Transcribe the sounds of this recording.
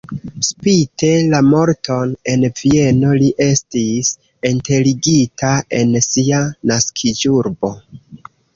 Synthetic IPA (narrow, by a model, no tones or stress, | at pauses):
spite̞lamo̞ɾtʰo̞ne̞nvie̞no̞liʔe̞stis | inte̞liɡitae̞nsianaskʰid͡ʒuɾbo̞